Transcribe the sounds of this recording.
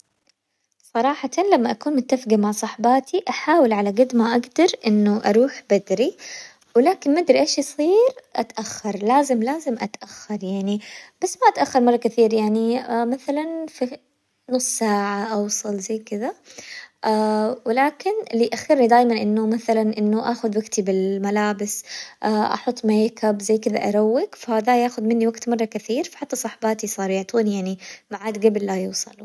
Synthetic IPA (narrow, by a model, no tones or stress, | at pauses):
sˤɑɾˤɑːħɑt̪ʰanlamːaʔakuːnmʊt̪ːafɡimaʕsˤɑħbɑːt̪ʰiʔaħaːwɪlʕalaɡɪd̪maʔaɡd̪ɑɾˤʔɪnːuʔɑ̰ɾˤuːħbad̪ɾi | wɪlaːkɪnmad̪ɾiʔeːʃjsˤiːɾʔa̰t̪ʔaxːɑɾˤlaːzɪmlaːzɪmʔat̪ʔaxːɑɾˤjaʕnib̥asːmaʔat̪ʔaxːɑɾˤmɑrˤːɑkɪθiːɾjaʕnimaθalanfi | noːsˤsaːʕaʔawsˤɑlzajːkɪðaʔawɪlaːkɪnliʔaxːɪɾnid̪aːjmanʔɪnːʊmaθalanʔɪnːʊʔaːxʊd̪waɡt̪ibɪlmalaːbɪsʔaʔɑ̰ħʊt̪ˤːmajkabzajːkɪða̰ʔɑɾˤawːɪkfahaːðajaːxʊðmɪnːiwaɡt̪mɑrˤːɑkɪθiːɾfḁħat̪ːasˤɑħbaːt̪isˤɑːɾˤjɪʕt̪uːnjaʕnimaʕaːd̪ɡablːajuːsˤɑ̰l